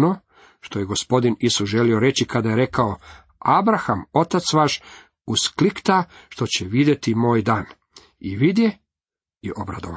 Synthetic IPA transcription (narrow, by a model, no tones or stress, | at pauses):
no | ʃt̪ojeɡo̞spo̞d̪inisusʒe̞lioɾe̞t͡ɕikad̪aje̞ɾe̞kao̞ | abɾaxamo̞t̪at̪sʋaːʃ | usklikt̪aʃt̪o̞t͡ɕeʋid̪je̞t̪imo̞ːjd̪aːn | iʋid̪je | iʔobɾa̰d̪o̰a